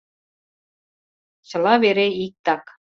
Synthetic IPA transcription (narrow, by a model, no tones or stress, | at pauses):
t͡ɕɤ̆lˠɑβeɾeik̚t̪ɑk